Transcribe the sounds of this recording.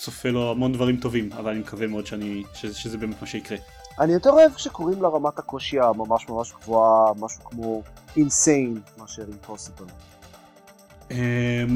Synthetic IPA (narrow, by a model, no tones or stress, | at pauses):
sofelo̞amo̞nd̪vaʁimt̪o̞vimavalanimekavemeo̞d̪ʃeaniʃeʃezebeːmet̪maʃeikʁe | ʔanijot̪eʁoevʃekoʁimleʁamatako̞ʃiamamaʃmamaʃɡvuamaʃukmo̞insejnmeaʃeʁimposibel | em